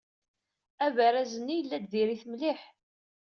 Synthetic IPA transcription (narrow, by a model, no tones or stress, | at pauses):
ævæɾæzənːijəlːæd̪ðiɾiθmliħ